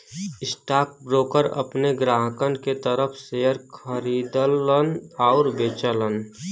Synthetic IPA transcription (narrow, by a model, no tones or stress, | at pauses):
ɪsʈaːk̚bɾoːkəɾə̰pneɡɾaːɦkənɖket̪əɾəpʰsejəɾkʰəɾiːd̪lənaʊɾbeːt͡ʃələn